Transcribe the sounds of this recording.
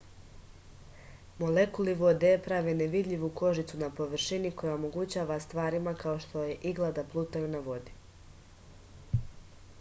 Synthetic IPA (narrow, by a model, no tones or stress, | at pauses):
mo̞lekuliʋo̞d̪epɾaʋeneʋid̪ʎʲiʋuko̞ʒit̪sunapo̞ʋr̩ʃiniko̞jaomo̞ɡut͡ɕaːʋast̪ʋaːɾimakao̞ʃt̪o̞je̞ʔiɡlˠad̪aplˠuːt̪ajunaʋo̞d̪i